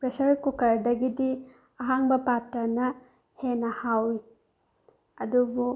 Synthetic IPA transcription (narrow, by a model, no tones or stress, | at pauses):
pɾesɐɾkukɐɾdɐɡidi | ɐɦaŋbɐpatɾɐnɐ | henɐhawi | ɐdubu